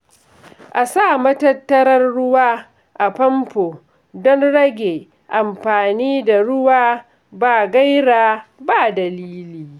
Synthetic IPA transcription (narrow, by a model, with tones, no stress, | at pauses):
ʔa˨saː˦˨mɐ˦tɐ˦tːɐ˦ɾɐ˦rːʊ˦waː˦ | ʔa˨pɐ˦mpoː˨ | dɔ˦nɽɐ˦ɡʲe˨ | ʔa˨mɸaː˨niː˦da˨ɽʊ˦waː˦ | baː˨ɡa˦jɽaː˨baː˦˨dɐ˨liː˦liː˨